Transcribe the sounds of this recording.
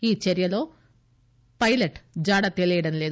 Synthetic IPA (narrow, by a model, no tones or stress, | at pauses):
iːt͡ɕeɾijɐlo̞ː | pɐjlɐʈːd͡ʑaːɽɐt̪elejiɽenleː